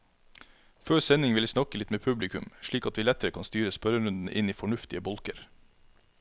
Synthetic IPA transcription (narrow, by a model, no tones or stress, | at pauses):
føːsɛnɪŋʋɪliːsnɑkəlɪt̪meːpʰʉblɪkʉmʃɭiːkɑt̪ʋiːlɛt̪əɾəkʰɑnst̪yːɾəspœɾəɾʉnd̪n̩ʔɪniːfɔɳʉft̪ɪəbɔlkəɾ